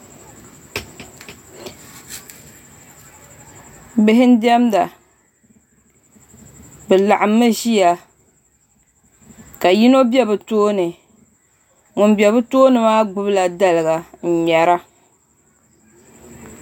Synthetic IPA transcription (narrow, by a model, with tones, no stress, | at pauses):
bɪ˦ɦɪ˦n˦di˦ɛ˦mda˨ | bɨ˨la˨ʔa˨mːɨ˦ʒi˦ja˨ | ka˨ji˦no˦bɛ˦bɨ˨toː˦nɨ˨ | ŋʊ˨n˦bɛ˨βɨ˦toː˦nɨ˨maː˦ɡ͡bʊ˦bɨ˦la˨da˦lɨ˨ɡa˨n̩˨ɲɛ˨ɾa˦